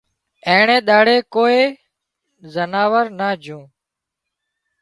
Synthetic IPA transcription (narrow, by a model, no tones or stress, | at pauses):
ẽːɳẽːɗ̪aːɽeːkoːeː | zənaːʋəɾnaːd͡ʒʱũː